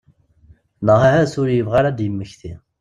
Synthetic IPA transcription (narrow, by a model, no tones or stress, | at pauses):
nəʁæhæsʊɾjəvʁaɾad̪jəmːəçθi